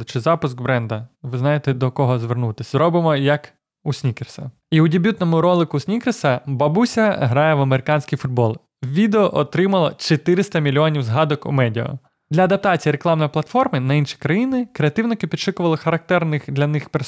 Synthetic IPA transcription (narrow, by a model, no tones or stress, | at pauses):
t͡ʃɪzɑpʊsɡbɾɛnd̪ɐʋɪznɑjet̪ɛd̪ɔkɔɦɔzʋernut̪ɪsʲzɾɔbɪmɔjɐk | usʲnʲikersɐ̰ | iudʲebʲut̪nɔmʊɾɔlˠɪkʊsʲnʲikersɐbɐbusʲɐɦɾɑjɛʋɐmeɾɪkɑnʲsʲkʲijfʊd̪̚bɔlˠ | wʋʲid̪eɔʔɔt̪ɾɪmɐlˠɔ̰t͡ʃet̪ɪɾɪst̪ɐmʲilʲiɔnʲiwzɦɑd̪ɔkṵmɛdʲiɔ̰ | d̪lʲɐɐd̪ɐp̚t̪ɑt͡sʲijiɾeklˠɑmnɔjplˠɐt̪fɔrmɪnɐinʃi̥kɾɐjinɪkɾeɐt̪ɪwnɪkɪpʲid̪t͡ʃɪkʊʋɐlˠɪxɐɾɐk̚t̪ɛrnɪxd̪lʲɐnɪxpeɾs